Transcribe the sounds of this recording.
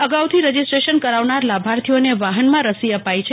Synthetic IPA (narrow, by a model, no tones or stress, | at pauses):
əɡawt̪ʰiɾəd͡ʒisʈɾeʃənkəɾaʋnaɾlabʱaɾt̪ʰioneʋaɦənmãɾəsiəpajt͡ʃʰe